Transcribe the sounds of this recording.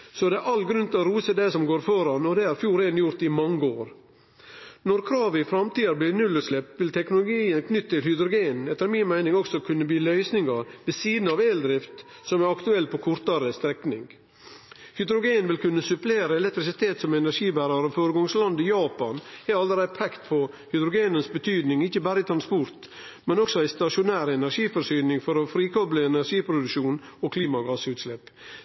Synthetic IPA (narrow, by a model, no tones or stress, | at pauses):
sɔd̪ɛʔɑlɡɾʉnt̪lɔɾuːsəd̪ɛɪsɔmɡoːɾfɔɾɑnɔd̪ɛæɾfjuːɾeːnjʊɾt̪ɪmɑŋːəoːɾ | nɔɾkʰɾɑːʋɪfɾɑmt̪iːɑɾbliːnʉlːʉslɛp̚t̪ʋɪlt̪ʰɛknʊlʊɡiːənkʰnʏt̪ːət̪ʰɪlhʏd̪ɾʊɡeːnɛt̪ːəɾmɪnmæɪnɪŋɔksɔkʰʉnːəbiːlœʏsnɪŋɑɾʋɛsiːd̪n̩ɑʋeːld̪ɾɪft̪ | sɔmæɾɑkt̪ʉɛlːpʰɔkʰʊɾt̪ɑɾəst̪ɾɛknɪŋ | hʏd̪ɾʊɡeːnʋɪlkʰʉnːəsʉpleːɾəɛlɛk̚t̪ɾɪsɪt̪ʰeːt̪sɔmɛnæɾʂiːbæːɾɑɾɔfoːɾəɡɔŋslɑnd̪ɪjɑːpɑnhɛɑlːəɾæɪpʰɛkt̪pʰɔ | hʏd̪ɾʊɡeːnənsbət̪ʰyːd̪nɪŋɪçːəbæːɾəɪt̪ʰɾɑnspɔɾt̪ | mɛnɔksɔæɪst̪ɑʂʊnæːɾəɛnæɾʂiːfɔɾʂyːnɪŋfɔɾɔfɾiːkʰɔbləɛnæʂiːpʰɾʊd̪ʉʂuːnɔkʰliːmɑɡɑːsʉːt̪slɛpː